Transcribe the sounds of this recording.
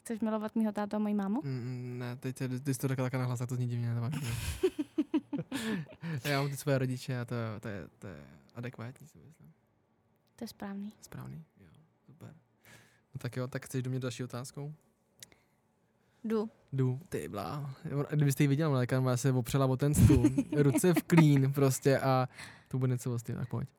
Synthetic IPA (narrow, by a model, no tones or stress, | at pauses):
xt͡sɛʃmɪlovat̪̚miːɦot̪aːt̪̬amojimaːmonɛt̪ɛc̚tɛt̪ɪsɪt̪oɾakat̪akanaɦlas̬axt̪ozɲɛɟɪvɲɛnɛt̪avaʒɲio | jaːmamt̪ɪsvojɛɾoɟɪt͡ʃɛat̪ojɛt̪ojɛ̰t̪ojɛ̰ʔadɛkvaːt̪ɲiːsɪmɪslɪm | t̪ojɛspɾaːvniːspɾa̰ːvnijo̰ | supɛɾ | not̪akjot̪akxt͡sɛʃʒdomɲɛd̪dalʃiːot̪aːskow | du | dut̪ɪ̰bla̰ːonɡdɪbɪs̬t̪ɛjivɪɟɛlmlalɛkanmnasɛvopr̥ɛlavo̞t̪ɛnst̪unɾut͡sɛfkliːnpɾoscɛʔat̪obudɛɲɛt͡sovos̬t̪io̰t̪a̰k̚po̰c